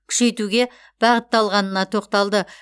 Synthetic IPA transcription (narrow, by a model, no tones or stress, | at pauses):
kʲʰʏ̥ʃe̞jt̪uɡʲe̞ | b̥ɑʁət̪ːɑlˠʁɑnənɑt̪ʰo̞qt̪ɑlˠd̪ə